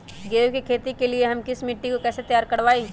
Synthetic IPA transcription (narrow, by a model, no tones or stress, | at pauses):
ɡeːwkikʰeːt̪ikelieɦɐmkɪsmɪʈːikokɛːset̪jaːɾkɐɽʋaːi